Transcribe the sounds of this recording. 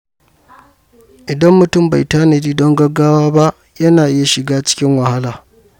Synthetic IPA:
ʔɪ˨dɐ˦mːʊ˨tʊ˦mba˨jtaː˦ne˨diː˦dɔ˦ŋɡɐ˦ɡːaː˦waː˦ba˦ʔ | jɐ˦naː˨ʔɪ˦ja˨ʃɪ˨ɡaː˦t͡ʃɪ̥˦kʲɪ˦ŋwɐ˨ha˦laː˨

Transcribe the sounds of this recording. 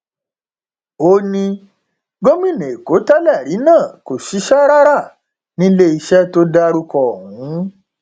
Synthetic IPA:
o˦nĩ˧ | ɡo˦mĩ˦˨nẽ˨e˨ko˨˦ta˦lɛ˦˨ɾi˨˦nãː˦˨ko˨ʃi˨˦ʃa˦ɾa˦ɾa˦˨ | nĩ˦le˦i˧ʃɛ˦to˦da˧ɾu˧kɔ˨hũ˨˦

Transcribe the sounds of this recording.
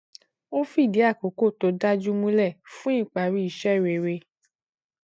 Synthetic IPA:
o˦fi˦˨di˨˦a˦˨ko˨˦ko˦˨to˧da˦d͡ʒu˦mũ˦lɛ˦˨fũ˦i˦˨k͡pa˨ɾi˦i˦˨ʃɛ˦˨ɾe˨ɾe˧

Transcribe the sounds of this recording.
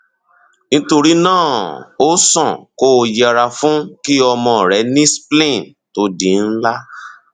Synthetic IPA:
nĩ˦to˧ɾi˦nãː˦˨o˦sɔ̃˦˨ko˦˧jɛ˦˧ɾa˧fũ˦ki˦ɔ˧mɔ̃˧˨ɾɛ˨˦nĩ˦splẽ˦˨ | to˨˦dĩ˨˦n̩˦la˦

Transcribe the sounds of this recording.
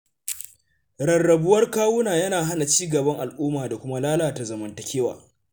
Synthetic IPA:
ɾɐ˨nːɐ˨bʊ˦wɐ˦rkaː˦wʊ˦naː˨jɐ˦naː˨ɦa˦na˨t͡ʃiː˦ɡɐ˨bɐ˦ŋʔa˨lʔuː˦maː˨da˨kʷʊ˦ma˦laː˦laː˨ta˨zɐ˨mɐ˨ntɐ˨kʲeː˦wa̰ː˨

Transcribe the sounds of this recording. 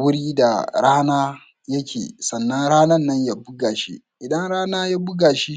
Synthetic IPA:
wʊ˦ɽiː˦da˨ɽaː˦naː˦ | jɐ˦kʲḛː˨sɐ˨nːɐ˦ŋɽaː˦nɐ˦nːɐ˦ɲja˦bʊ˦ɡaː˨ʃḭ˦ | ʔɪ˨dɐ˦ŋɽaː˦naː˦ja˦bʊ˦ɡaː˨ʃi˦

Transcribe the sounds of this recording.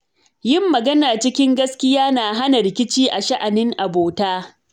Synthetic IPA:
jɪ˦mːɐ˨ɡɐ˦naː˨t͡ʃɪ˦kʲɪ˦ŋɡɐ˦skʲɪ˦jaː˦naː˨ɦa˦na˨ɾɪ˨kʲɪ˦t͡ʃiː˦ʔa˨ʃa˦ʔa˨nɪ˦ŋʔa˨boː˨taː˦

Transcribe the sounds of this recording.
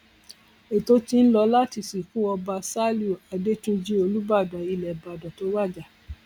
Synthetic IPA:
e˨to˦ti˧n̩˦lɔ˧la˦ti˧˨si˨kũ˦ɔ˧ba˧sa˦lu˦˨a˨de˦tũ˦d͡ʒi˦o˧lu˦ba˦˨da˨i˧lɛ˨ba˨da˨to˨˦wa˦˨d͡ʒa˨

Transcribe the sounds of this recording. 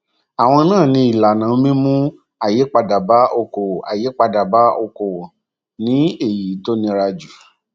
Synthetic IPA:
a˨w̃ɔ̃˧nãː˦˨nĩ˧i˨la˨nã˨˦mĩ˦mũ˦ | a˨je˨˦k͡pa˧da˨ba˦ʔo˧ko˨a̰˨je˨˦k͡pa˧da˨ba˨˦o˧ko˨ | nĩ˨˦e˦˨ji˨˦to˦nĩ˧ɾa˧d͡ʒu˨

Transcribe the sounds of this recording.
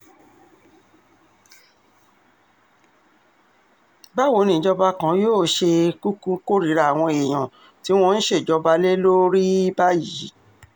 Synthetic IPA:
ba˦˨wo˧˦nĩ˨d͡ʒɔ˧ba˧kã˨˦joː˦˨ʃe˧ku˦kũ˧ko˦ɾi˨˦ɾa˧˨a˨w̃ɔ̃˧e˨j̃ã˨ | ti˨˦w̃ɔ̃˧n̩˦ʃe˦˨d͡ʒɔ˧ba˧le˦lo˦ɾi˦ba˦ji˨˦

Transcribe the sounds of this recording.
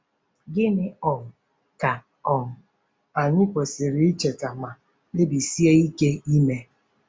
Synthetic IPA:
ɡɪ˦mɪ˦ɔ˨ŋʊ˨ | ka˨ | ɔ˨ŋ̩˨ | a˨ɲɪ˦kʷe˨sɪ˨ɾɪ˦i˦t͡ʃe˨ka˨ma˨ | e˦bi˨si˦e˦i˦ke˦i˦me˦

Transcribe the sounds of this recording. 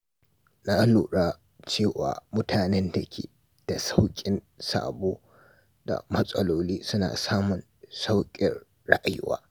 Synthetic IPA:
naː˦luː˨ɽaː˦ | t͡ʃeː˦˨wa̰ː˨mʊ˦tʰaː˨nɛ˦nda˨kʲʰḛː˨ | d̥a˨sa˦wkʲʼɪ˨n | sa̰ː˨boː˦ | da̰˨mɐ˦sʼɐ˦loː˦liː˦sʊ˦na̰ː˨saː˦mʊ˨n | sa˦wkʲʼɪ˨rː | ɐ˦ʔa˨jʊ˦wa̰ː˦

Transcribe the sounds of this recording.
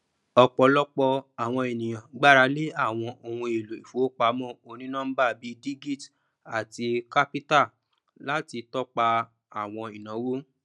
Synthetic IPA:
ɔ˧k͡pɔ˧lɔ˦k͡pɔ˧a˨w̃ɔ̃˧e˨nĩ˨j̃ã˨ɡ͡ba˦ɾa˧˦le˦a˦˨w̃ɔ̃˧o˧hũ˧e˨lo˨i˨fo˨˦k͡pa˧˦mɔ̃˦˨o˧nĩ˦nãː˦ba˦˨bi˦di˦ɡi˦˨t | a˨ti˧ka˦pi˦ta˦˨ | la˦ti˧tɔ˦k͡pa˧ | a˨w̃ɔ̃˧i˨nã˨˦wo˦

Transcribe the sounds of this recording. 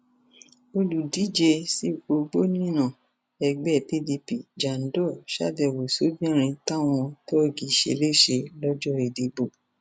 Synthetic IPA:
o˧lu˨di˨˦d͡ʒe˧si˦o˧ɡ͡bo˦nĩ˦nã˦˨ | ɛ˧ɡ͡bɛ˦˨pi˦˨di˧pi˨d͡ʒa˨n̩˦dɔ˦˨ʃa̰˦bɛ˨wo˨so˨˦bĩ˦ɔ̃˦˨ɾ̃ĩ˧ta˦w̃ɔ̃˧to˦o˦˨ɡi˨ʃḛ˧˨le˦˨ʃe˧lɔ˦d͡ʒɔ˦˨ɾe˨de˨bo˦˨

